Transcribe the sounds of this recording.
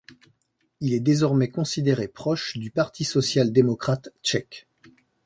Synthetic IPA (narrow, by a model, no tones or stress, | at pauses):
ilɛd̪ezɔʁmɛkɔ̃sid̪eʁepχɔʃd̪ypaʁt̪ʰisɔsjald̪emɔkχat̪t͡ʃɛk